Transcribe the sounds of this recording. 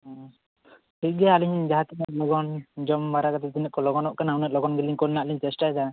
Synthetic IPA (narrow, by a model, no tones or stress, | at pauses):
hiɡɛjaːliɲɲd͡ʒaɦat̪inɛʔ̪̚lɔɡɔnd͡ʒɔmbaɾakat̪ɛt̪inɛʔ̚kɔlɔɡɔnɔʔkanawnɛʔ̚lɔɡɔnɡɛliɲkɔlnaʔliɲt͡ʃɛsʈajd̪a